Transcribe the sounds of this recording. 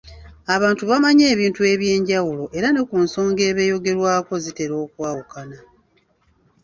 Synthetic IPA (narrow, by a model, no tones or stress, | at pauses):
aβaːntuβamaɲe̞ːβiːntue̞βje̞ːɲɟawulo̞ʔe̞ɾane̞kunso̞ːŋɡe̞ːβe̞jo̞ɡe̞ɾwaːko̞zite̞ɾo̞ːkwaːwukana